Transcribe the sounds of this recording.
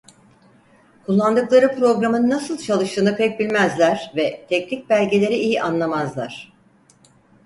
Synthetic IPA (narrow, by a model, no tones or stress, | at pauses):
kʰulˠːand̪ɯklˠaɾɯpɾo̞ɡɾamɯnnːasɯlˠt͡ʃʰalˠɯʃt̪ɯːnɯkʰc̚bilʲmæzlʲæɾ̥vɛt̪ʰɛcnʲic̚bælʲɟelʲe̞ɾiʔijiʔanlˠamazlˠaɾ̥